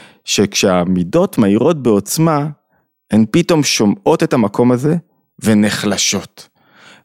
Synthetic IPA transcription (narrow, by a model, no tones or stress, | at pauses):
ʃekʃeamido̞tmaiʁo̞t̚be̞o̞t͡sma | enpito̞mʃo̞mo̞te̞tamako̞maze̞ | ve̞neχlaʃo̞t